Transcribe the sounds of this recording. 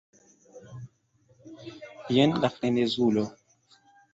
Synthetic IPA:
jɛnlafenezulɔ

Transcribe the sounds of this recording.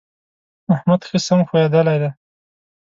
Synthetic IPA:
ahmad̪xəsamxujed̪əlajd̪a

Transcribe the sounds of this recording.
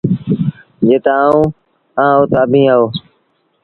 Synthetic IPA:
d͡ʒeːt̪aːaːũː | ãːoːt̪aːbʱĩːaːoː

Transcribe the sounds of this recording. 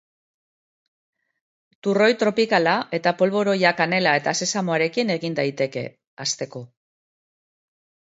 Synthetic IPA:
t̪uro̞jt̪ɾo̞pikalaʔe̞t̪apo̞lβo̞ɾo̞jakane̞lae̞t̪ase̞samoaɾe̞kine̞ɣind̪ajt̪e̞ke̞̰ | ast̪e̞ko̞

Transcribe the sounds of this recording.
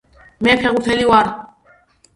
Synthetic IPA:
mɛpʰɛɣut̪ʰɛliwaɾ

